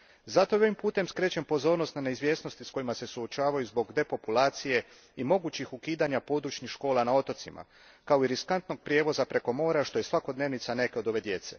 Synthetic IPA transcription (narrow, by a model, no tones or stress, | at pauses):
zat̪ojeo̞ʋimpuːt̪e̞mskɾe̞ːt͡ɕempo̞zo̞ːɾnost̪naneizʋje̞ːsno̞st̪isko̞jimase̞suot͡ʃaːʋajuzbo̞ɡd̪e̞po̞pulaːt̪sije̞ | imo̞ɡut͡ɕixukiːd̪aɲapo̞ːd̪ɾut͡ʃɲixʃko̞ːlanao̞t̪o̞t̪sima̰ | kaoiɾiskant̪no̞ɡ̚pɾʲje̞ːʋo̞zapɾe̞ko̞mo̞ːɾaʃt̪o̞je̞sʋako̞d̪ne̞ːʋnit̪sane̞ke̞o̞d̪o̞ʋe̞d̪je̞t̪se̞̰